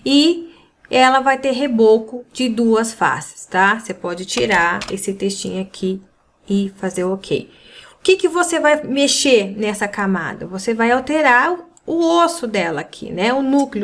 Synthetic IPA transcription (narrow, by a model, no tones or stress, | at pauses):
ɪ | ɛlɐvajt̪eɾɦebokʊd͡ʒɪd̪uɐsfa̰sɪ̥st̪asepɔd͡ʒɪt͡ʃiɾaɾesɪt̪est͡ʃḭ̃ɲʊakʰi | ɪfazeɾokʰḛj | ʊkɪkɪvosevajmeʃeɾnɛsɐkama̰d̪ɐvosevajawt̪eɾaɾ | ʊosʊd̪ɛlɐːkʰḭnɛʊnuklɪʊ